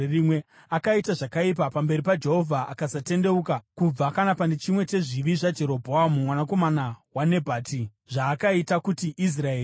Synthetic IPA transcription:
erimwe̞ | akaitaʐakaip̬apambe̞ɾipad͡ʒe̞ɦo̞vʱaʔakasate̞nde̞ukakub͡vakanapanet͡ʃimwe̞t͡ʃe̞ʐiʋiʐad͡ʒe̞ɾo̞bʱo̞amumwanako̞manawane̞bʱaːti | ʐaːkaitakutiʔis̬raeː

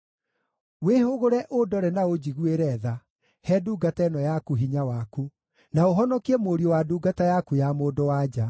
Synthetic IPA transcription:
wehoɣoɾɛʔodɔɾɛnaod͡ʑiɣueɾɛða | hɛduːɡataɛnɔjakuɦiɲawaku | naoɦɔnɔkiɛmoɾiowaduːɡatajakujamoːdɔwaːd͡ʒa

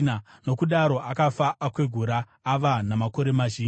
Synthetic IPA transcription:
nano̞kuɗaɾo̞ʔakafaːkwe̞ɡʱuɾaː | ʋanamako̞ɾe̞maʒiː

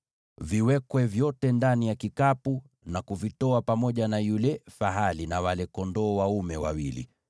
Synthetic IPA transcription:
viwɛkwɛvjɔtɛndanijakikapu | nakuvitɔapamɔʄanajulɛfaɦalinawalɛkɔndɔːwaumɛwa̰wilḭ

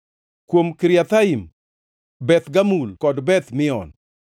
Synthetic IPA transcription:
kwomkiɾjat̪aim | bɛt̪ɡamulkɔdbɛt̪mɪɔ̰n

